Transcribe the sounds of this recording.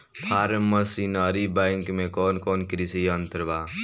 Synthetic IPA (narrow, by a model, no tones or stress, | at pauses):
pʰaːɾmːəsinaːɾibaŋkmẽkoːnkoːnkɾisiənt̪əɾbaː